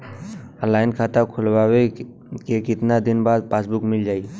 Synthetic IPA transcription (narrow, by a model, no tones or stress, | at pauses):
əlaːɪnkʰaːt̪akʰʊlwawe | kekɪt̪nad̪ɪnbaːd̪̚paːsbʊkmɪld͡ʒaːiː